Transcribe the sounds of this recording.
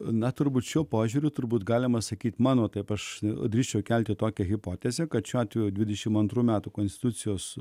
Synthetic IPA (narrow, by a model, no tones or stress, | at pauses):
nɐt̪ʊɾbuːt̪ʃʲuɔpoːʒʲuːɾʲʊt̪ʊɾbuːt̪ɡɑːlʲɪmɐsɐkʲiːt̪ʲmɑːnoːt̪ɐɪpɐʃd̪ʲɾʲiːʃʲt͡ʃʲɛʊkʲɛlʲt̪ʲɪt̪oːkʲɛɣʲɪpoːt̪ʲɛzʲekɐt̪ʃʲuːɑːt̪ʲʋʲejud̪ʲʋʲɪd̪ʲɛʃʲɪmɐnt̪ɾuːmʲæːt̪ʊkoːnsʲt̪ʲɪt̪ut̪sʲɪjoːs